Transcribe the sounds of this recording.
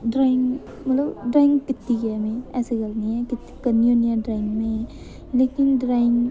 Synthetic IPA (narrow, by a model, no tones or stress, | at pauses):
ɖɾaiŋɡ | mɐt̪ləbɖɾajŋɡkɪt̪ːiɡɛmẽɛseɡəlniɛ̃kɪt̪ːi̥kənjonijaɖɾaɪŋɡmẽ | lekinɖɾaiŋɡ